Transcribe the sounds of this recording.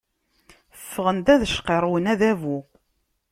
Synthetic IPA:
əfːəʁənd̪æðʃqeɾˤwənæðævu

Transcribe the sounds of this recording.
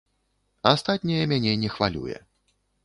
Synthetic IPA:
ast̪at̪̚ʲnʲɐjɐmʲanʲɛnʲɛxvalʲṵjɛ̰

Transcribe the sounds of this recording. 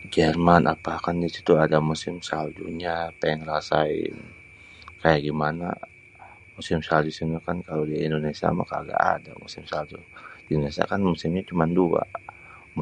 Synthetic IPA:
d͡ʒɛrmanʔapakandisi̥t̪uadamusɪmsald͡ʒuɲapaŋrasaɪ̰n | kajaɡimana̰ | musɪmsald͡ʒusimɲakankalodiindonesia̰ma̰kaɡa̰ʔa̰da̰musɪmsald͡ʒudindonesia̰kanmusɪmɲat͡ʃumandua̰ | m

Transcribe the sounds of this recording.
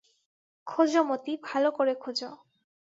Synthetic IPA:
kʰod͡ʑomot̪ibʱalokoɾekʰod͡ʑo

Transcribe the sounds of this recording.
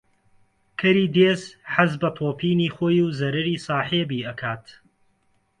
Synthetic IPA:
kʰɐɾiːd̪eːzħazbɐpʰoːpʰiːniːχoːjuwzɐɾɐɾiːsˤɑːħeːbiːʔɐkʰaːt̪

